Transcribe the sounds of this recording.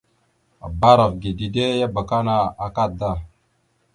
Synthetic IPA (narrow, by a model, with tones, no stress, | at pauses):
a̰˨ba˦ɾa˨vɡi˨di˨de˦ja˦ba˨ka˦na˨a˨ka˦da˦˨